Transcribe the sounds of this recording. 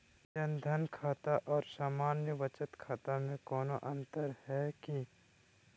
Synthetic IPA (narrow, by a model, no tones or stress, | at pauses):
t͡ʃɐ̃nd̪ʱənkʰaːt̪aʔɔːɾsaːmaːnjəʋət͡ʃət̪kʰaːt̪amẽkɔːnoʔɐ̃nt̪əɾhɛki